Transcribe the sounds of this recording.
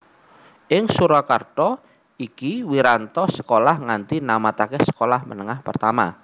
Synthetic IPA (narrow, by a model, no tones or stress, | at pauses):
ʔɪŋsuɾakart̪ɔ | ikiwiɾant̪ɔsə̥kolahŋant̪inamat̪akɛsə̥kolahmə̰nəŋahpərt̪ama